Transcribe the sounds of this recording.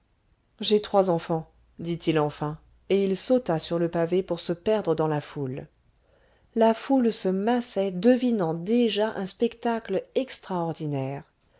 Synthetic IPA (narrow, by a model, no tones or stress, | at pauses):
ʒet̪χwazɑ̃fɑ̃ | d̪it̪ilɑ̃fɛ̃ | eilsot̪asyʁləpavepuʁsəpɛʁd̪ʁəd̪ɑ̃laful | lafulsəmasɛd̪əvinɑ̃d̪eʒaʔɛ̃spɛkt̪aklɛkst̪χaɔʁd̪inɛːʁ